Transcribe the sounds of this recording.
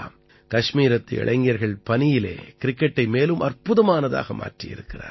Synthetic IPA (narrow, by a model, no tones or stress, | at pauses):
m | kɐʂmiːɾɐt̪ːɯɛ̰ɭɐɪŋɡɪjɐɾɣɐɭpɐnɪjɪlḛːkɪɾɪkːɛʈːɐɪmeːlɯmʔɐrpɯðɐmaːnɐða̰ːɣɐmʔa̰ːʈrijɪ̰ɾɯkːɪra̰ː